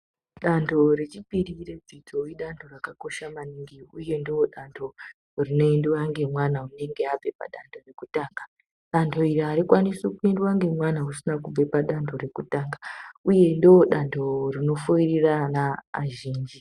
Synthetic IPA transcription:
ɗantʰoɾe̞t͡ʃipiɾire̞d͡zitʰoiɗantʰo̞rakako̞ʃamaniŋɡiuje̞ndiwoɗantʰo | rino̞endwaŋɡe̞mwanaune̞ŋɡe̞ab͡ve̞pa̰ɗandʰo̞re̞kutaːŋɡa | ɗantʰo̞iɾiaɾikwanisukuendwaŋɡe̞mwanausinakub͡vepaɗantʰo̞ɾe̞kutaːŋɡauje̞ndiwoɗantʰo̞rino̞fuiriranaːʒiːnd͡ʒi

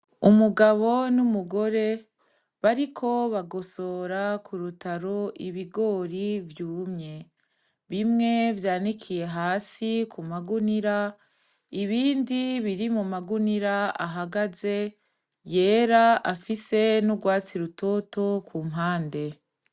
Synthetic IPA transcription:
umuɡaβo̞numuɡo̞ɾe̞ | βaɾikʰo̞βaɡo̞so̞ːɾakuɾutaɾo̞ʔiβiɡo̞ɾivjuːmɲe̞ | βimŋe̞vjaːnikʰije̞ɦaːsikʰumaɡuniɾa | iβiːndiβiɾimumaɡuniɾaa̰ɦaɡaze̞ | je̞ːɾaafise̞nuɡwaːt͡siɾuto̞to̞kʰumɦaːnde̞

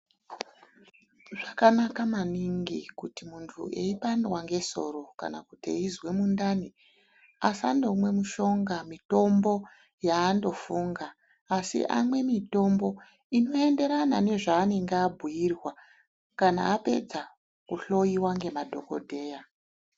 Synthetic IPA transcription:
ʐakanakamaniŋɡikutimuntʰṵʔeipanwaŋɡe̞so̞̰ɾo̞ka̰na̰kutḛizwe̞mundani | asa̰ndomwe̞muʃo̞ŋɡamito̞mbo̞ | jaːndo̞fuŋɡaː | sḭʔa̰mwe̞mito̞mbo̞ | ino̞e̞nde̞ɾanane̞ʐaːne̞ŋɡeabʱujirwa | kana̰ːpe̞d͡za | kuɬo̞jiwaŋɡe̞madʱo̞ko̞̰dʱe̞ːja

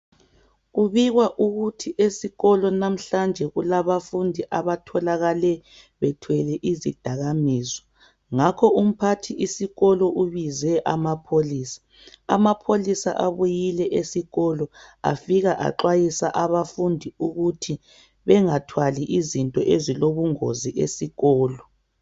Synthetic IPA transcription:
ɣuβiɣwaʔuɣutʰiʔesiɣɔlɔnam̩ɬand͡ʒʱɛɣulaβafundʱiʔaβatʰɔlaɣalɛ | βɛtʰwɛlɛʔizid̥ʱaɣamiːzɔ | ŋakʰɔum̩pʰatʰiʔisiɣɔlɔʔuβizɛʔamapʰoliːsḁ̰ː | mapʰolisa̰ʔaβujilɛʔesiɣɔlɔa̰fiɣaʔa̰ǃwajisaʔaβafundʱiuɣutʰi | βɛŋatʰwaliʔizintʼɔʔeziloβuŋo̰ziʔesiɣɔːlɔ

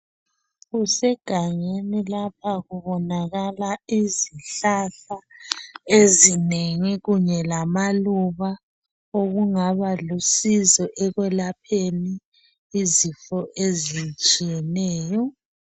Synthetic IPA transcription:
ɣusɛɡ̥ʱaŋenilap̚ʰaɣuβɔnaɣalaiziɬaɬa | ezineŋiɣuɲɛlamaluβa | oɣuŋaβalusizɔʔɛɣwɛlapʰeniː | zifɔʔezit͡ʃʼijɛnɛːjɔ

